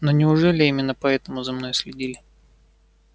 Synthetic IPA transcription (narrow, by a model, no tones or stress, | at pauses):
nonʲɪʊʐɛlʲɪimʲɪnːəpɐɛt̪əmʊzɐmno̞jsʲlʲɪdʲilʲɪ